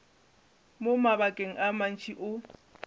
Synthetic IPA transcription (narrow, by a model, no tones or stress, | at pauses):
momabakʼeŋ̩ʔaman̩t͡ʃʰʼiʔʊ